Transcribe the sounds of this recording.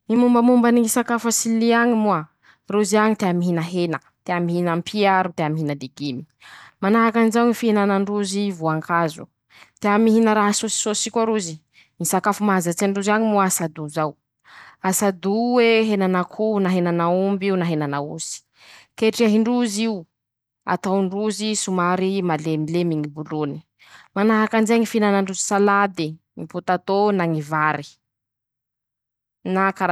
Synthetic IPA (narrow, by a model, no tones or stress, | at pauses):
nimumbəmumbaniisakafasiliaɲimua | ruziaɲit̪eamiɦinəɦenə | t̪eamiɦinampʰiaɾut̪eamiɦinəd̪iɡimi̥ | manaɦakanizawnifiinanaɳɖ͡ʐuzivuaŋkʰazṵ | t̪eamiɦinəɾaɦasosi̥sosikʲaɾuzi | nisakafumaɦazat͡saɳɖ͡ʐuziaɲimuasad̪uzaw | asad̪uweɦenanakʰunaɦenanaumbiunaɦenanauzi̥ | keʈ͡ʂiaɦiɳɖ͡ʐuziw | a̰t̪aɳɖ͡ʐuzisumaɾimalemilemiŋibuluni̥ | manaɦakand͡ʒeŋifinanaɳɖ͡ʐuzi̥salad̪e | ŋiput̪at̪onaŋivaɾi̥ | nakaɾa